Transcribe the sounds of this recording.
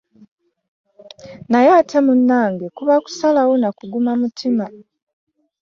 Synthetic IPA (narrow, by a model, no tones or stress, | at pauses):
najaːtʰamunːaːŋɡekuβaku̥salawonakuɡumamutʰima